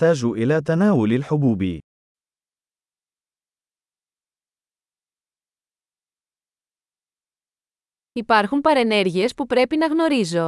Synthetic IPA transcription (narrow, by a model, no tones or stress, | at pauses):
t̪aːʒuʔilɐt̪ɐnaːwʊlalħʊbuːbḭ | ipɐɾxumpɐɾe̞ne̞ɾʝie̞spupɾe̞pinɐɣno̞ɾizo̞